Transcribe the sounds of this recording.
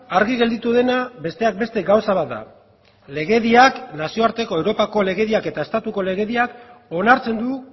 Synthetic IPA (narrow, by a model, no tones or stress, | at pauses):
aɾɣiɣe̞ld̪it̪uðe̞nabe̞st̪e̞ak̚be̞st̪e̞ɡawsaβ̞at̪̚d̪a̰ | le̞ɣe̞ðiaknasio̞aɾt̪e̞ko̞ewɾo̞pako̞le̞ɣe̞ðiake̞t̪ae̞st̪at̪uko̞le̞ɣe̞ðiako̞naɾt͡se̞nd̪u